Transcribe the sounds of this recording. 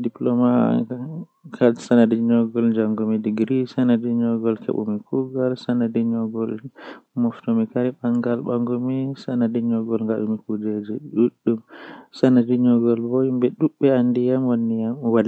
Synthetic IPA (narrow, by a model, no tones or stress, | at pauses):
diplɔma | kʰasanadiɲɔɡɔld͡ʒaŋɡumidiɡɾisanadiɲɔɡɔlkʰɛ̰ɓṵmikuɡalsanadiɲɔɡɔlmɔftɔmikaɾiɓaŋɡalɓaŋɡɔmisanadiɲɔɡɔlŋɡaɗumikud͡ʒed͡ʒɛɗuɗːumsanadiɲɔɡɔlbɔjumbɛɗuɓːɛandijamwanːijamwal